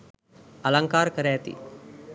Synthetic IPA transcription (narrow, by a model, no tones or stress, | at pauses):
ɐlɐŋkaːɾkɐɾeːt̪ḭ